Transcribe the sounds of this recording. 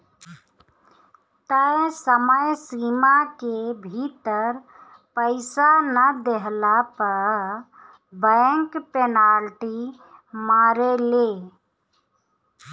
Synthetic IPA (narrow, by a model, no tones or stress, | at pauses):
t̪əsəməjsimakebʱit̪əɾ | pəɪsanəd̪eɦlapəɾ | bəŋkpenalʈi | maːɾele